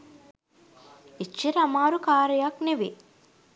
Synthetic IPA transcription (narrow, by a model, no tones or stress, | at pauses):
it͡ʃːiɾɐmaːɾukaːɾɐjakneʋi